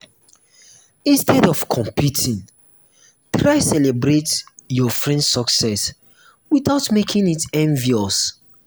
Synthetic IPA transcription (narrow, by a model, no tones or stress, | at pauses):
ĩnstʰɛdɔfkʰɔ̃mpʰutʰĩŋ | tʰɹaɪsɛlebɹetjɔfɹɛ̃ndsɔksɛs | wiθaʊtmekʰĩŋitɛ̃nviɔs